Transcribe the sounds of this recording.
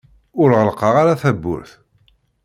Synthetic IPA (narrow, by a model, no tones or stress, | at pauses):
ʊɾʁəlqɑʁaɾaθæbːʊ̰ɾθ